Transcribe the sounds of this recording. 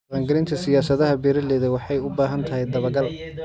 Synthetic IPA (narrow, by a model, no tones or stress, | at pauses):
qɑːŋɡɐlɪnt̪ʰɐsɪjaːsɐðɐɦɐbɛːɾɐlɛːðɐwɑħɑjʊbaːɦɐnt̪ʰɐɦɛjd̪ɐβɐɡɐl